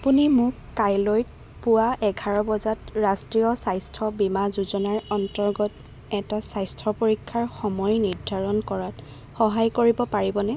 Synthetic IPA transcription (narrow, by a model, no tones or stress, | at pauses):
apunimʊkːajloj | pʊwaʔɛɡʱaɹɔbɔzatɹastɹiɔsajstʰɔbimazuzɔnaɹɔntɔɹɡɔt | ɛtasajstʰɔpoɹikʰːaɹxɔmɔjniɹdʱaɹɔnkɔɹat | xɔɦajkoɹibɔpaɹibɔnɛ